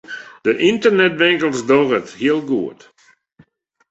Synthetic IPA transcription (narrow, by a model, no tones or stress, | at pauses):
d̥əʔɪntərnɛtʋɪŋkəlˠsdɔrəthiəlˠɡuət